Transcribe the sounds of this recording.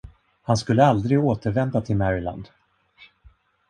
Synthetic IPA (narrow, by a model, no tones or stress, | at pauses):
hanskɵlːəald̪ɾɪɡoːt̪əɾvɛnd̪at̪ʰɪlmæɾɪla̰nd̪